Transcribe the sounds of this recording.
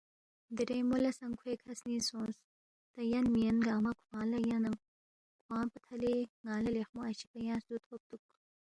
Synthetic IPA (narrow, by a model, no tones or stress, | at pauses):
d̪iɾejmulɐsɐŋkʰwekʰɐsniːsõːs | t̪ɐjɐnmiɐnɡaːmɐkʰwãːlɐjɐnɐŋ | kʰwãːpət̪ʰɐleŋaːlɐlexmoɐɕi̥pɐjɑ̃ːsd̪ut̪ʰop̚t̪uk̚